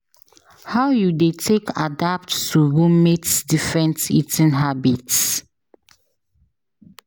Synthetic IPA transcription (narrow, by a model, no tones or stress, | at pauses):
hawjudetʰekʰa̰dap̚ttuɹumetsdifɹɛ̃ntḭtĩnɦabits